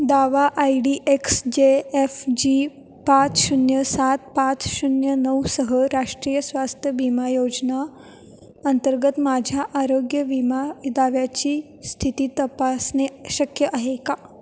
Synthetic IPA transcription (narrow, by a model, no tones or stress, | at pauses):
d̪aʋaʔaiɖiːʔeksd͡ʑeefd͡ʑi | pat͡sʃunjəsat̪̚pat͡sɕunjənəwsəɦəɾaʂʈɾiːjəsʋast̪ʰjəbimajod͡ʑna | ənt̪əɾɡət̪mad͡ʑʱjaʔaɾoɡjəʋimad̪aʋjat͡ɕiː | st̪ʰit̪iːt̪əpasneɕəkʰjəʔaɦeka